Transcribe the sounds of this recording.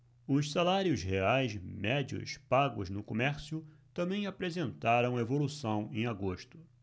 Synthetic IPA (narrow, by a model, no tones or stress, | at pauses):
ʊʃsalaɾjʊzheajsmɛd͡ʒiʊ̰spaɡʊznʊkomɛɾsjʊ | t̪ɐ̃mbẽj̃apɾezẽnt̪aɾɐ̃w̃aevolusɐ̃w̃ẽj̃aɡoʃt̪ʊ̥